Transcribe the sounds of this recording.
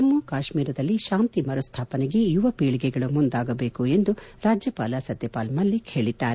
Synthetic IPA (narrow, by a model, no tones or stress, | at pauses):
t̪ɐmːukaːʃmiːɾɐd̪ɐlːiʃaːnt̪imɐɾɐst̪ʰaːpɐneɡe̞juʋɐpiːɭiɡɛɡɐɭumund̪aːɡɐbeːkue̞nd̪uɾaːd͡ʒjɐpaːlɐsɐd̪jɐpaːlmɐlːikʰeːɭid̪ːaːɾe